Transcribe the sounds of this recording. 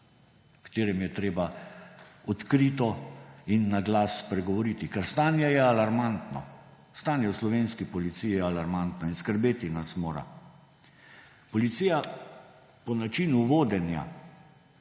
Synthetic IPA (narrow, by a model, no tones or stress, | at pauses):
kḁt̪eːɾɛmjɛt̪ɾeːba | ɔt̪kɾit̪ɔinːaɡlaːspɾɛɡɔʋɔɾiːt̪ikɛɾst̪aːnjɛjɛalaɾmant̪nɔ̰ | st̪anjɛwslɔʋeːnskipɔlit̪sijijɛalaɾmant̪nɔinskəɾbeːt̪inasmoːɾa̰ | pɔlit̪sija | pɔnat͡ʃinuʋoːd̪ɛnja̰